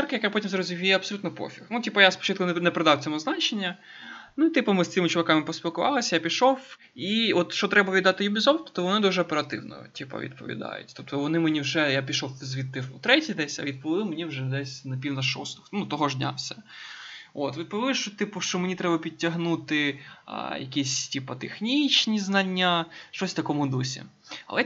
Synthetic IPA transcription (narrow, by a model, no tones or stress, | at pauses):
rkɐjɐkapɔtʲimzɾɔzʲiʋʲijɛɐbsɔlʲut̪nɔpɔ̰fʲixnutʲipɐjaspɔ̥t͡ʃɪt̪̚kʊnnɛpɾed̪ɑwt̪ʲɔmʊznɑt͡ʃenʲːɐ | nuit̪ɪpɐmɪst̪sɪmɪt͡ʃɔʋɐkɑmɪpɔsʲpʲilˠkʊʋɑ̰lˠɐsʲɐjapʲiʃɔf | iɔt̪ʃt͡ʃɔt̪ɾɛbɐʋʲid̪ɑt̪ɪjʊbʲizɔwt̪ɔ̥t̪ɔʋɔnɪd̪uʒɛɔpeɾɐt̪ɪ̰wnɔ̰tʲipɐ̰ʋʲḭd̪pɔ̰ʋʲḭd̪ɑ̰jʊ̰tʲt̪ɔp̚t̪ɔʋɔnɪmenʲiwʒɛjapʲiʃɔfzʲʋʲit̪ːɪfʊt̪ɾɛtʲid̪ɛsʲɐ̰ʋʲid̪̚pɔʋʲɪlˠɪmenʲiwʒɛd̪ɛsʲnɐpʲiwnɐʃɔ̰st̪ɔ̥xnt̪ɔɦɔʒdʲnʲa̰wsʲɐ̥ | ot̪ʋʲid̪̚pɔʋʲɪlˠɪʃt͡ʃɔt̪ɪpʊʃt͡ʃɔmenʲit̪ɾɛbɐpʲitʲːɐɦnut̪ɪ̰ | jɐkʲisʲtʲipɐt̪exnʲit͡ʃnʲiznɐnʲːaʃt͡ʃɔsʲt̪ɐkɔmʊd̪usʲḭ | ɐ̰lˠɛ